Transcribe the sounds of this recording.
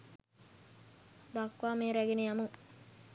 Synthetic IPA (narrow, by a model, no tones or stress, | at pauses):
d̪akʋaːmeːɾæɡenejamuŋ